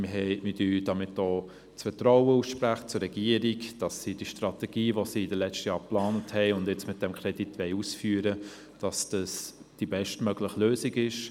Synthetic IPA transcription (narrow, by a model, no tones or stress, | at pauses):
mɪɦɛɪmɪdyːd̥ɑmɪtoː | t͡sfətrɔwəuːsʃpɾæχə̥t͡sʊɾːɛɡiəɾiɡd̥ɑsːid̥iʃtrɑtɛɡ̥iːʋosiɪdəlɛt͡stəjɑːɾplɑːnəthɛɪʊndjɛt͡smɪt̚d̥ɛmkʰɾɛd̥itʋɛɪusfyːəɾə | d̥ɑsd̥ɑs | d̥ibɛʃtmœɡləχløːsiɡɪʃ